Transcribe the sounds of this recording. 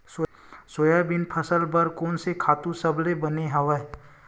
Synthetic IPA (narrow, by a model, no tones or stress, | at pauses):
s | sojabɪnpʰəsəlbəɾkoːnsekʰaːt̪ũsəblebəneɦɐʋə